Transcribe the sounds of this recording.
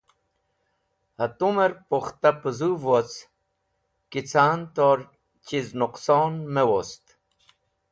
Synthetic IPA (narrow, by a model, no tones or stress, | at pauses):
hɐt̪umeɾpoxt̪apəzuvot͡s | kit͡sʰaːnt̪oɾ | t͡ɕiznuqsoːnmewost̪